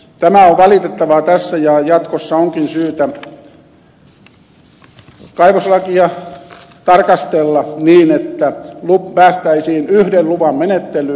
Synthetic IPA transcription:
t̪æmæoʋʋɑlit̪et̪ːɑʋɑt̪æsːæjɑjɑt̪kosːɑoŋkinsyːt̪æ | kɑiʋoslɑkiɑ | t̪ɑrkɑst̪elːɑniːnet̪ːælupæːst̪æisiːnyhdelluʋɑmmenet̪ːely

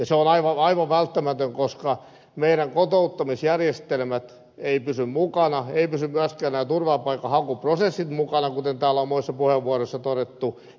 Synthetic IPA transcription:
jɑseonɑiʋɑɑiʋɑʋʋælt̪ːæmæt̪øŋkoskɑ | meiɾæŋkot̪out̪ːɑmisjærjest̪elmæt̪ | eipysymmukɑnɑeipysymmyæskæːnnæːt̪urʋɑːpɑikːɑhɑkuprosesːit̪mukɑnɑkut̪ent̪æːlomuisːɑpuheʋːuoroisːɑt̪odet̪ːu

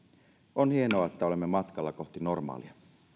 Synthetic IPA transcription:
onhie̞noɑet̪ːæo̞lemːemɑt̪kɑlːɑko̞ht̪ino̞rmɑ̰ːliɑ

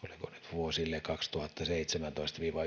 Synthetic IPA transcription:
o̰likonyt̪ʋuosilːekɑkst̪uhɑt̪ːɑseit̪semænt̪oist̪ʋiːʋɑ

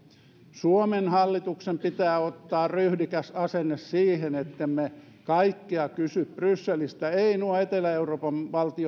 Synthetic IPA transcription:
suomenhɑlːit̪uksempit̪æːot̪ːɑːryhdikæsɑsenːessiːhenet̪ːemme | kɑikːiɑkysyp̚b̥rysːelist̪æeinuɑet̪elæeuroːpɑnʋɑlt̪io

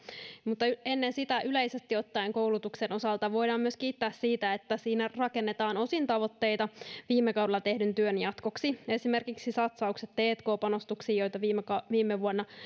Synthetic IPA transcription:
mut̪ːɑe̞nːensit̪æʔylejse̞st̪io̞t̪ːɑjeŋko̞wlut̪ukseno̞sɑlt̪ɑʋo̞jdɑːmyøskiːt̪ːæːssiːt̪æet̪ːæsiːnærɑke̞nːet̪ɑːno̞sint̪ɑʋo̞t̪ːe̞jt̪ɑʋiːmːekɑwdelɑt̪e̞hdynt̪yønjɑt̪ko̞ksie̞sime̞rkiksisɑt̪sɑukset̪t̪eːt̪ko̞ːpɑno̞st̪uksiːjo̞jt̪ɑʋimkɑʋiːmːeʋuonːɑ

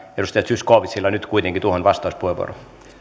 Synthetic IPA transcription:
edust̪ɑjɑt̪syskoːʋit̪silːɑnyt̪kuit̪eŋɡ̥it̪uohonʋɑst̪ɑuspuheʋṵo̰ron

